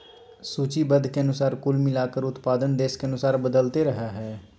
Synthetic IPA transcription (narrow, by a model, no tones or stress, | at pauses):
suːt͡ʃibəd̪ʱkeənʊsaːɾkʊlmɪlaːkəɾʊt̪paːd̪ənd̪eːskeɐnʊsaːɾbəd̪əlt̪eɾəɦaɦɛː